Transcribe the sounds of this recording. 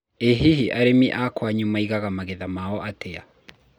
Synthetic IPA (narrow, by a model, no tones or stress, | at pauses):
eɦiɦiʔaɾemiʔakwaɲumaiɣaɣamaɣeðamaɔʔatea